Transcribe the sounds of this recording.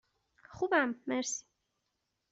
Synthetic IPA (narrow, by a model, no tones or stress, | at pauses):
χubamːɛɾsi̥